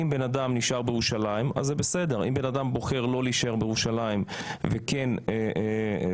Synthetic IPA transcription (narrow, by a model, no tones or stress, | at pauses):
imbe̞nadamniʃaʁbejeʁuʃalaima̰zːebese̞de̞ʁʔḭmbe̞nadambo̞χe̞ʁlo̞liʃeʁbejeʁuʃalaimvekene